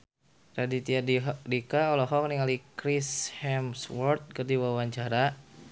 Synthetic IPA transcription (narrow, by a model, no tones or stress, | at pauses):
radit̪iadikaɔlɔɦɔk̚niŋalikɾishɛmswɔrt̪̚kərdiwawaɲt͡ʃaɾa